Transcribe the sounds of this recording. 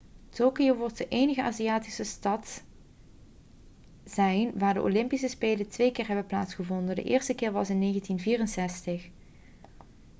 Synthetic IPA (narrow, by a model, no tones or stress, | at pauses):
toːkioʋɔɹtəʔejnəɣəʔa̰ːziaːtisəstɑt | z̥ɛjnʋaːɹdə̰ʔo̰lɪmpisəspeːlətʋejkɪːɹɦɛbənplaːtsχəvɔndəndə̰ʔɪ̰ːɹstəkɪːɹʋɑsɪnːejɣəntinviːrənsɛstəx